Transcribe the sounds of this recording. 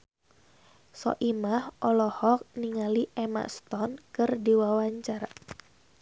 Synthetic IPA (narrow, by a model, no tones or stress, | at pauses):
sɔ̰ʔimahʔɔlɔhɔk̚niŋaliʔɛma̰st̪ɔnkɨrdiwawaɲt͡ʃara